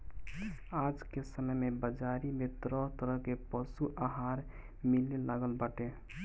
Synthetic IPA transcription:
ad͡ʒkesəməjmebəd͡ʒaɾimet̪ɾəɦt̪əɾəɦkepəsuʔaɦaɾ | milelaɡəlbəʈe

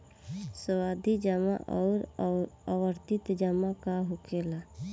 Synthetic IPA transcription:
səwaːd̪ʱid͡ʒəma̰ʔɔːɾawəɾt̪ɪt̪d͡ʒəmakaɦʊkela

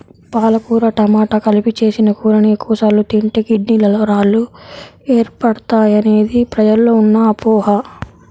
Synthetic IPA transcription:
paːlɐkuːɾɐʈɐmaːʈɐkɐlipit͡ʃe̞ːsinɐkuːɾɐɳijɐkuːsaːlut̪iɳʈekiɖniːlɐloɾaːlueːɾpɐɽɐt̪aːjɐne̞ːd̪ipɾɐd͡ʒɐlːo̞ːunːɐːpɔːɦɐ

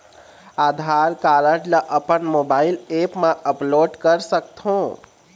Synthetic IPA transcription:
ad̪ʱaɾkaɾəʈləʔəpənmobailepmãʔəploɖkəɾsək̚t̪ʰõ

